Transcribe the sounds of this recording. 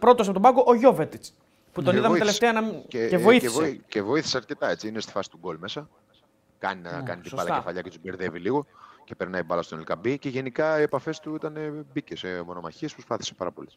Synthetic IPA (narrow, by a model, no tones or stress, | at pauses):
pɾo̞t̪os̬pot̪obɐɡoʔoʝovet̪it͡s | put̪o̞niðɐelefst̪eɐnɐmeevoievocevo̞iθi̥seɐɾce̞t̪ɐe̞t͡siinest̪i̥fɐsi̥t̪uɡo̞lme̞sɐ | kɐ̰ninɐkɐnit̪ibɐlɐkefɐʎɐcet̪ubeɾðe̞viliɣo̞cepeɾnɐibɐlɐst̪onelkɐbice̞ʝe̞nikɐie̞pɐfe̞st̪uit̪ɐne̞bicesemo̞no̞mɐ̰çiespɾospɐθi̥se̥pɐɾɐpo̞les